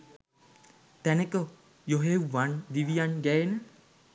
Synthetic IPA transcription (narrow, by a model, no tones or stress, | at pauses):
t̪ænəkə | joɦewːand̪iʋijanɡæenə